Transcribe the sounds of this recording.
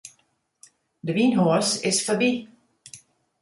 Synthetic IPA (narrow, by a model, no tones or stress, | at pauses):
dəʋiːnɦoɐsɪsfɔbi